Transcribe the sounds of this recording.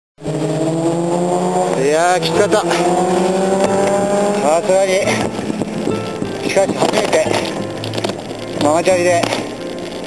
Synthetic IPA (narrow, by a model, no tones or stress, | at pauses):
jakʲi̥kat̪a | sasɯɾaɲi | ɕi̥kaɕihad͡ʑiet̪e | mamat͡ɕaɾʲid̪e